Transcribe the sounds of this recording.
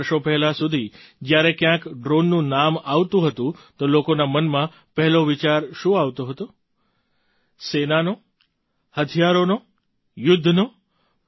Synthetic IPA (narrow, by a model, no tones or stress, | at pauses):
ɾʃopɛɦlasud̪ʱid͡ʒjaɾekjãkɖɾonːũnamaʋt̪ũɦət̪ũt̪olokonamənmã | pɛɦɛloʋit͡ʃaɾʃũaʋt̪oɦət̪o | senano | hət̪ʰijaɾono | jʊd̪ʱːno